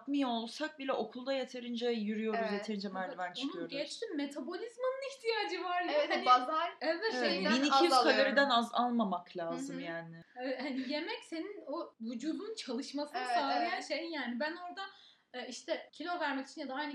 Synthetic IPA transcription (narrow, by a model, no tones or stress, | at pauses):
pmijaolˠsak̚bilʲɛʔo̞kʰulˠd̪ajet̪ʰe̞ɾind͡ʒɛjyɾyjo̞ɾuzjet̪ʰeɾind͡ʒɛmæɾd̪ivæɾnt͡ʃonʰijoɟɛt͡ʃt̪ʰimːe̞t̪ʰabo̞lʲizmanɯniçt̪ʰijaːd͡ʒɯvaɾlˠaozaɛvɛt̪ʃebiniijykʰad̪eɾid̪ænazalˠmamaklʲaːzɯmjaːnɪhanije̞mɛcse̞nino̞vud͡ʒuːd̪unt͡ʃʰalˠɯʃmasɯnasaːijanʃejinjaːnibæno̞ɾd̪a | iʃt̪ʰɛcʰilʲo̞væɾmɛci̥t͡ʃʰinjad̪aajn